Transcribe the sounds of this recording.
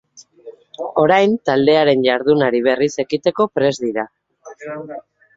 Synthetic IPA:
o̞ɾajnt̪ald̪e̞aɾe̞nʎaɾðunaɾiβ̞e̞rise̞kit̪e̞ko̞pɾe̞zðiɾa

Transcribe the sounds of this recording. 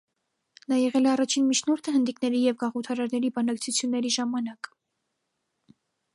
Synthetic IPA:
nɑjɛʁɛlɛɑrɑt͡ʃʰinmit͡ʃʰnɔɾt̪ʰəhənd̪iknɛɾijɛvɡɑʁut̪ʰɑɾɑɾnɛɾibɑnɑkt͡sʰut͡sʰjunːɛɾiʒɑmɑnɑk

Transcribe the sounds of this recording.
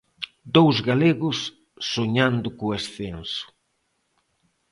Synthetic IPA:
d̪owzɣaleɣʊsː | oɲand̪ʊkʊesθensʊ̥

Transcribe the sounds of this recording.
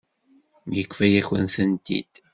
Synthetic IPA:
jəkʷːfæjæçə̰nθənt̪ḭd̪̥

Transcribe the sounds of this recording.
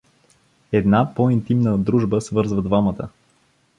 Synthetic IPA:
ɛd̪napɔint̪imnəd̪ɾuʒbəsvɤɾzvəd̪vamət̪ə̰

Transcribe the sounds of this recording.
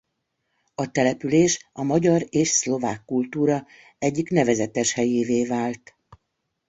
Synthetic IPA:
ɒt̪ɛlɛpyleːʃɒmɒɟɒɾeːʃslo̞vaːkːult̪uːɾɒ | ɛɟːiknɛvɛzɛt̪ɛʃhɛjeːveːvaːlt̪

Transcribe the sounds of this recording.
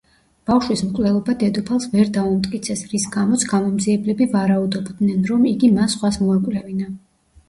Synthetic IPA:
b̥afʃwismkʼvlɛlˠɔbad̪ɛd̪ɔpʰalˠsvɛɾd̪aumt̪ʼkʼit̪sʰɛsɾisɡamɔt̪sʰɡamɔmd̪ziɛblɛbivaɾaud̪ɔbd̪nɛnɾɔmiɡimasχwasmɔɛkʼwlɛvina

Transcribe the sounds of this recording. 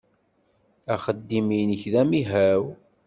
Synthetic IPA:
æχəd̪ːiminəçðæmiɦæw

